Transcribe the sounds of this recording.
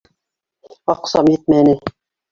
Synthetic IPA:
ɑqsɑmjet̪̚mænɘ

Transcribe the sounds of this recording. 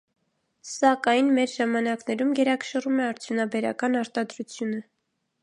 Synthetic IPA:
sɑkɑjnmɛɾʒɑmɑnɑknɛɾumɡɛɾɑkə̥ʃərumɛɑɾt͡sʰjunɑbɛɾɑkɑnɑɾt̪ɑd̪ɾut͡sʰjunə

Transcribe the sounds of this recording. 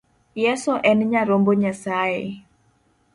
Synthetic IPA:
jɛsɔʔɛnɲaɾomboɲasaɛ

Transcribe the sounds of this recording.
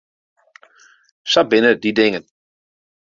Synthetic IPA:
sabɪnədidɪŋən

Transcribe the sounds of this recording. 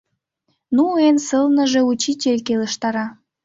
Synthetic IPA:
nuensəlnəʒeut͡ɕitʲelʲkeləʃt̪ɑɾɑ

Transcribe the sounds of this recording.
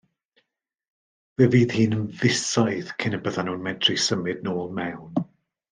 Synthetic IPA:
vɛviːð̥hiːnənvɪsajθkʰɪnəbəðanuːnmɛdrisəmɨdnoːlˠmɛwn

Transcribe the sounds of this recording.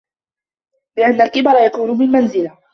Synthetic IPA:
bɪʔanːalkɪbɑɾˤɑjakuːnʊmɪlmanzɪla

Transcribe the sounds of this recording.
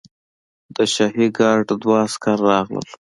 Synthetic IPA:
d̪əʃɑɦiɡɑɖd̪wɑskɑɾːɑɣlə̰l

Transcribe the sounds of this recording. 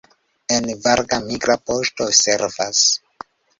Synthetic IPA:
envaɾɡamiɡɾapo̞stoseɾvas

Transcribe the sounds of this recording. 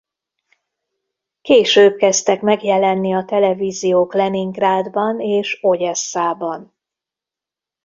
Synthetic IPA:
keːʃøːb̚kɛst̪ɛkmɛɡjɛlɛnːiɒt̪ɛlɛviːzijoːklɛniŋɡraːd̪bɒneːʃo̞ɟɛsːaːbɒn

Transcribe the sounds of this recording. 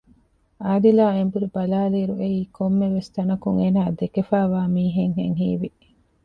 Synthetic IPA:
aːd̪ilaːembuɾibɐlaːliːɾuʔeiːkʰomːeʋest̪ɐnɐkuŋeːnaːd̪ekefæːʋaːmiːɦeŋɦḛŋɦiːʋi

